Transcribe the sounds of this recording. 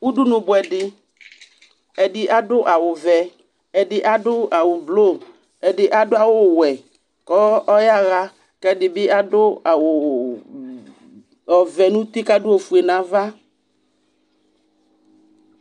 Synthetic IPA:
u˦ɖu˦nũ˨bʊ˨ɛ˨ɖɪ˨ | ɛ˨ɖɪ˨ʔa˦ɖʊ˦ʔa˨wʊ˨vɛ˨ | ɛ˨ɖɪ˨ʔa˦ɖʊ˦a˨wo˨blo˦˨ | ɛ˨ɖɪ˨ʔa˦dʊ˦a˨wo˦˨wɛ˨ | kɔ˦ɔ˦ja˦ɣa˦ | kɛ˦ɖɪ˨bɪ˦ʔa˦ɖʊ˦a˨wʊ˨ | ɔ˨vɛ˨nũ˦t̪i˦ka˦dʊ˦o˨fu˨e˨nã˨˦va˦

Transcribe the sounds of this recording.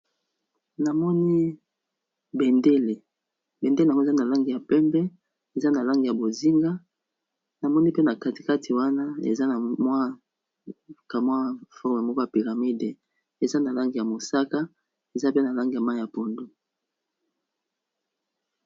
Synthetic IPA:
na˨mɔ˦ni˦ | bɛ˨nde˦le˨ | bɛ˨nde˦le˨a˨ŋ˦˨za˦na˨la˦ŋɡi˨ja˨pɛ˦mbɛ˦ | e˨za˦na˨la˦ŋɡi˨ja˨bo˨zi˦ŋɡa˦ | na˨mɔ˦ni˦pe˦na˨ka˦ti̥˨ka˦tʰi˨wa˦na˦ḛ˨za˦na˨mwa˦ | ka˨mwa˦fɔ˦ʁme˨mɔ˦kɔ˦ja˨pi˨ʁa˨mi˦de˨ | e˨za˦na˨la˦ŋɡi˨ja˨mo˨sa˦ka˦ | e˨za˦pe˦na˨la˦ŋɡi˨ja˨ma˦˨ja˨po˨ndo˦

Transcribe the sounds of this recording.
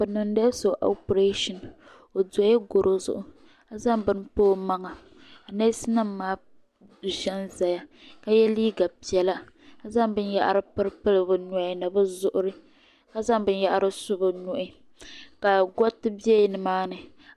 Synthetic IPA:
bɨ˨nɨ˨n˦da˦so˨ʔo̰˦pɾe˦ʃɔ˨n | o˨dɔ˨˦jɛ˦ɡo˨ɾʔo˦zʊ̰˦ʔʊ˦ | a˦za˦mbɨ˦npoː˦ma˦ŋa˨ | a˨na˦sɨ˦na˦mːaː˦˨ | ʒɛ˦nza˨ja˦ka˦jɛ˦liː˦ɡa˨pi˨ɛ˨la˦ | a˦za˦ŋbɨ˦n˦ja̰˦˨ʔa̰˨ɾɨ˦pɨ˦ɾɨ˦pɨ˦lɨ˨bɨ˦nʊ˦˨i˦na˨bɨ˦zʊ˦˨ʔʊ˦ɾɨ˦ | ka˦za˦ŋbɨ˦nja˦ʔa˦ɾɨ˦sʊ˦bɨ˨nu˨ʔɪ˦ | ka˨ɡɔ˦tɨ˦bi˦ɛ˦˨nɨ˨maː˦nɨ˨

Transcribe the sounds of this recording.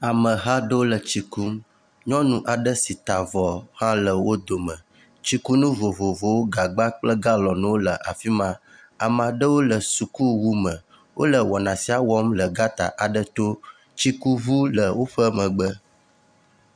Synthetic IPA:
a˨mə̃˨ɦã˦ɖo˦lə˨t͡ɕi˨ku˦m | ɲɔ̃˦nũ˨ʔa˨ɖə˦si˨t̪a˨vɔ˨hã˦lə˨wo˦d̪o˨mə̃˨ | t͡ɕi˨ku˦nũ˦vo˨vo˨vo˨wo˦ɡa˨ɡ͡ba˦k͡plə˦ɡa˦lɔ˨nũ˦wo˦lə˨ʔa˨fi˦mã˦ | a˨m˨a˨ɖə˦wo˦lə˨su˨ku˦wu˦mə̃˨ | wʔo̰˦lə˨wɔ˨nã˨si˦a˨wɔ˦mlə˨ɡa˦t̪a̰˨ʔa˨ɖə˦t̪o˦ | t͡ɕi˦ku˦vu˦lə˨wo˦ɸə˦mə̃˨ɡ͡bə˦

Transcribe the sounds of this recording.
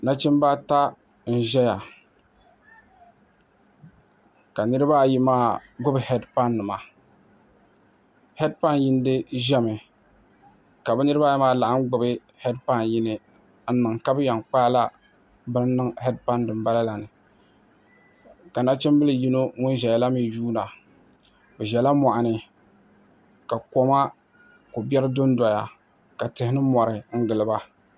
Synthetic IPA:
na˦t͡ʃɛ˦mba˦ta˦ | n̩˨ʒɛ˦ja˨ | ka˨nɨ˦ɾɨ˦ba˦ji˦maː˦˨ɡʊ˦bɨ˨hɛ˦dpa˦nːɨ˨ma˨ | hɛ˦d̚pa˦nji˦n˦dɨ˦ʒɛ˦mɨ˨ | ka˨bɛ˦nɨ˦ɾɨ˦ba˦jɛ˦maː˦˨la˨ʔa˦n˦ɡ͡bʊ˨bɨ˦ | hɛ˦dpa˦nji˦nɨ˨ | n̩˦nɨ˨ŋka˦bɨ˦ja˨ŋk͡paː˦la˦ | bɨ˦n˦nɨ˦ŋhɛ˦dpa˦ndɨ˨mba˦la˦la˨nɨ˨ | ka˨na˦t͡ʃɛ˦m˦bɨ˦lɨ˨ji˦no˦ŋʊ˦n˦ʒɛ˨ja˨la˦mi˨ʒuː˦na˨ | bɛ˨ʒɛ˨la˦ma˨ʔa˨nɨ˨ | ka˨ko˦ma˦ | ko˨bʲɛ˦ɾɨ˦dʊ˦n˦dɔ˨ja˨ | ka˨tɨ˨hɪ˦nɨ˦mɔ˨ɾɨ˨ŋ̩˦ɡɨ˨lɨ˨ba˦

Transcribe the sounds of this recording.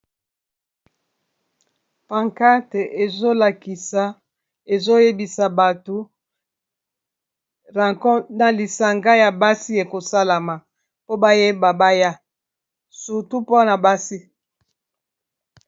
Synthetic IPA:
pa˨ŋka˦te˨ʔe˨zo˦la˨ki˨sa˨ | e˨zo˦je˦bi˨sa˨ba˨to˨ | ʁa˨kɔ˦na˨li˨sa˨ŋɡa˦ja˨ba˦si˦e˨ko˨sa˦la˨ma˨ | po˦ba˦je˦ba˨ba˦ja˦ | su˨tu˦po˦na˨ba˦si˦

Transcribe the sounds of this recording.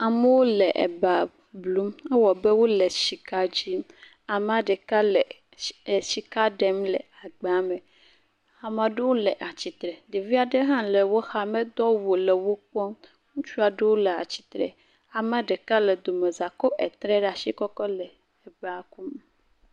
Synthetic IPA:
a˨me˦wo˦le˨ʔḛ˨ba˨ | blu˦mɛ˦wɔ˨be˦wo˦le˨ʃi˨ka˦d͡ʑi˦m | a˨m˦ã˦ɖe˨ka˦le˨ | ʃi˨ka˦ɖɛ˦mlḛ˨a˨ɡ͡be˨a˨me˨ | a˨mã˨ɖe˦wo˦le˨ʔa˨t͡ɕi˨t̪ɾɛ˨ɖe˨vi˦a˨ɖe˦ɦã˦le˨wo˦xa˨me˦d̪ɔ˦wo˨le˨wo˦k͡pɔ˦m | ŋũ˦t͡ʃu˦a˨ɖe˦wo˦le˨a˨t͡ɕi̥˨t̪ɾɛ̰˨ | a˨mã˦ɖe˨ka˦le˨d̪o˨me˨za˨kɔ˦ʔɛ˨t̪ɾɛ˦ɖa˨ʃi˦kɔ˦kɔ˦le˨ | e˨ba˨ku˦m

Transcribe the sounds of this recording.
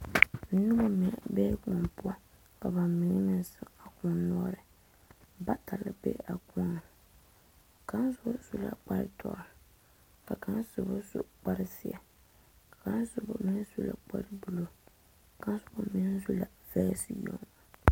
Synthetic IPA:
n̩˦nʊ˦ba˦mi˨bɛː˦kɔ˨npʊ˦a˦ | ka˨ba˨mɪ˨ŋɨ˦mɪ˨nsɨ˦a˨kɔ˨n˦nɔ˦ɾɨ˨ | ba˦ta˨lɨ˦bḛ˦ʔa˨kɔ˦n˨ | ka˦n˦sʊ˦su˦la̰˨k͡pa˦ɾɪ̰˦tʰɔ̰˨ɾɪ˨ | ka˨ka˦nsʊ˨bʊ˦sṵ˦k͡pa˦ɾɪ˦sɪ˦a̰˨ | kḁ˨ka˦n˦sʊ˨˦bʊ˨mɪ˦n˦zu˦la̰˨k͡pa̰˦ɾɪ˦bu˨lo˦ | ka˦sʊ˦ba˦mɪ˦n˦zu˦la˨ | vɛ˦si˦jo̰˨ŋ˨

